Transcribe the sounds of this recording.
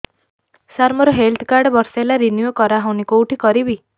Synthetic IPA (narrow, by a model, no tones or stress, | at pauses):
saɾmɔɾɔɦelt̪ʰkaɾɖbɔɾsalaɾinjuokɔɾaɦawnikowʈʰikɔɾibi